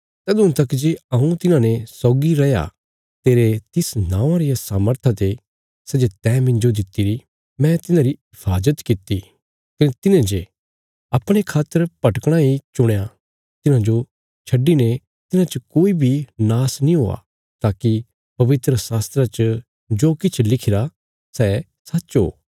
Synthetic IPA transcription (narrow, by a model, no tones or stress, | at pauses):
sɛd̪ʊ̃t̪ɐkd͡ʒeːɐũt̪ɪnãnesɔːɡiɾɛja̰ | t̪eːɾet̪ɪsnãːãɾɪjasaːməɾt̪ʰat̪e | sɛd͡ʒet̪ɛːmɪ̃nd͡ʒod̪ɪt̪ːiɾi | mɛ̃t̪ɪnãɾiɪpʰaːd͡ʒət̪kɪt̪ːi | kɐnet̪ɪnẽd͡ʒe | ɐpɽ̃ekʰaːt̪ːəɾpɐʈkɽ̃aɦit͡ʃʊɽ̃ja | t̪ɪnãd͡ʒo | t͡ʃʰɐɖːine | t̪ɪnãt͡ʃəkoːibʱinaːsnĩɦo̰ːa̰ | t̪aːki | pɐʋɪt̪ɾəsaːst̪ɾat͡ʃə | d͡ʒoːkɪt͡ʃʰlɪkʰɪɾa | sɛ | sɐtːʃɦo̰ː